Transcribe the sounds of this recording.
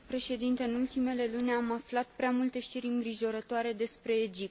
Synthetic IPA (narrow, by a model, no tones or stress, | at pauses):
pɾe̞ʃe̞d̪int̪eɨnult̪ime̞le̞lunʲamaflat̪pɾeamult̪e̞ʃt̪iɾʲɨŋɡɾiʒo̞ɾət̪oaɾe̞d̪e̞spɾe̞ːd͡ʒip̪̚